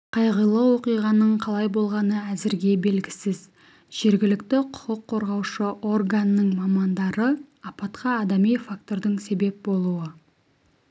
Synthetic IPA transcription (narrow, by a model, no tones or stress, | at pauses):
qʰɑjʁəjlˠəwo̞qijʁɑnəɴqʰɑlˠɑjbo̞lˠʁɑnəæzɪɾɡʲe̞be̞lɡʲɪsɪz | ʒ̥e̞ɾɡʲɪlɪkt̪ɪqʰʊ̥qəqʰːo̞ɾʁɑwʃəʔo̞rɡanəːəɴmɑmɑnd̪ɑɾə | ɑpɑt̪qʰɑːd̪ɑmejfak̚t̪o̞ɾd̪əɴse̞be̞p̚bo̞lˠuə